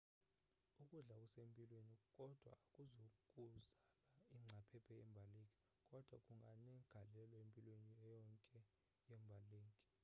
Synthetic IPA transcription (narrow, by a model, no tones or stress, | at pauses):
ukʼuɮak̬ʼusempʼilwenikʼɔd̥ʱwa̰kʼuzokʼuzalaiŋ͡ǀʱapʰɛpʰɛjɛmbʱalekʼɛ | kʼɔd̥ʱwakʼuŋɡʱanɛɡ̥ʱalɛlwaempʼilweniɛjɔŋkʼɛ | jɛmbʱaleːŋkʼɛ